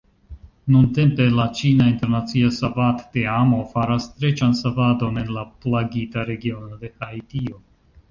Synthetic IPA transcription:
nunte̞mpe̞lat͡ʃinainte̞ɾnat͡siasavatːeamo̞faɾastɾe̞t͡ʃansavado̞ne̞nlaplaɡitaɾe̞ɡio̞no̞de̞hajtio̞

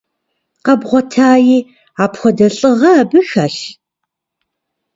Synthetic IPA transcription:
qɐbʁʷɔtʰaːjiː | aːpxʷɔdɐɬʼɨʁɐːbɨxaːɬ

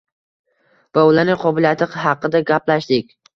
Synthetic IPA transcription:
vaʊlaɾnɪqʰɒbɪlijat̪ʰɪqhɑqːɨd̪aɡʲaplaʃd̪ɪkʲ

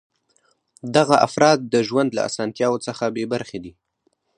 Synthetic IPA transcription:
d̪aɣaʔa̰fɾɑd̪̚ːəʒwand̪la̰a̰sɑnt̪jɑwot͡səxabebaɾxed̪i

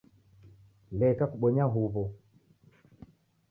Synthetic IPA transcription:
lɛkakuɓɔɲaɦuβɔ

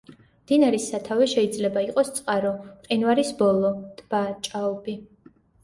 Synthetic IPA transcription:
md̪inaɾisːat̪ʰavɛʃɛid̪zlɛbaiqʼɔst̪sʼqʼaɾɔmqʼinvaɾisbɔlˠɔd̪̥b̥at͡ʃʼaɔbi

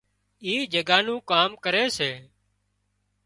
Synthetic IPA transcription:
iːd͡ʒəɡaːnũːkaːmkəɾeːseː

